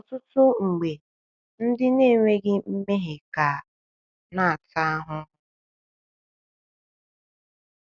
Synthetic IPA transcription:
ɔ˨tʊ˦tʊ˦ŋ͡m̩˨ɡ͡be˨ | n̩˦dɪ˦ne˦˨ŋʷe˦ɡɪ˦m̩˦me˦ɦe˨ka˨ | na˦a˨ta˦a˦ɦʊ˦

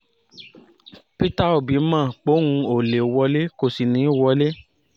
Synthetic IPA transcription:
pi˦ta˦o˨bi˨˦mã˦˨k͡po˨˦ŋũ˧o˨le˨o˨wɔ˧˦le˦ko˧si˧nĩ˨˦i˦˨wɔ˧˦le˦

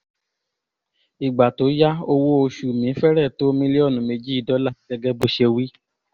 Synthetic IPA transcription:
i˨ɡ͡ba˨to˨˦ja˦o˧wo˦o˧ʃu˨mĩ˨˦fɛ˦ɾɛ˦˨to˦mĩ˧˦le˦ɔ˦˨nũ˨˦me˧d͡ʒi˦i˨dɔ˨˦la˦˨i˨˦ɛ˧ɡɛ˦bo˧˦ʃe˧wi˦

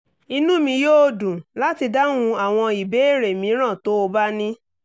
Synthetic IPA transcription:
i˧nũ˦mĩ˧joː˦dũ˨la˦ti˧da˦nũ˧a˨w̃ɔ̃˧i˨be˨˦e˦˨ɾe˨mĩ˨˦ɾ̃ã˦˨to˨˦o˧ba˦nĩ˦

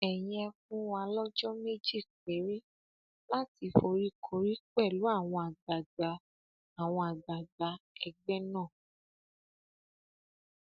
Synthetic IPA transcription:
ɛ˨j̃ɛ˧kũ˦wa˧lɔ˦d͡ʒɔ˦me˦d͡ʒi˦˨k͡pe˨˦ɾe˦ | la˦ti˧fo˧ɾi˦kʰo˦ɾi˦k͡pɛ˦˨lu˨˦a˦˨w̃ɔ̃˧a˨da˨ɡa˨˦ | a˨w̃ɔ̃˧a˨ɡ͡ba˨da˧˦ɛ˧ɡ͡bɛ˦nãː˦˨

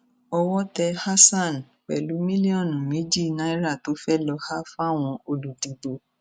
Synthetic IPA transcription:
ɔ˧wɔ˦tɛ˧ha˦sã˦˨n˨ | k͡pɛ̰˨lu˨˦mĩ˦li˦ɔ˦˨nũ˨mĩ˨˦d͡ʒi˦˨nã˦i˦ɾa˦˨to˨˦fɛ˦lɔ˧ha˦fa˦˨w̃ɔ̃˧o˧lu˨di˨bo˨

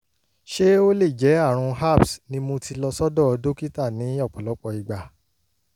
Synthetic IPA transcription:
ʃe˦o˦le˦˨d͡ʒɛ˨˦a˦˨ɾ̃ũ˧ɦa˦˨bsnĩ˧˦mũ˧tʰi˧lɔ˧sɔ˦dɔ˦˧do˦ki˦ta˦˨nĩ˨˦ɔ˦˨k͡pɔ˨lɔ˨˦k͡pɔ˧i˨ɡ͡ba˨

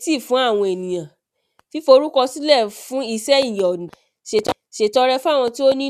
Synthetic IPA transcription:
ti˦˨fũ˨˦a˦˨w̃ɔ̃˧e˨nĩ˨jã˨ | fi˦fo˧˦ɾu˦kɔ˧si˦lɛ˦˨fũ˨˦i˧sɛ˦i˦˨jɔ̃˨ | ʃe˨tɔ˨ʃe˨tɔ˨˦ɾɛ˧fũ˦a˦˨w̃ɔ̃˧ti˦o˦nĩ˦

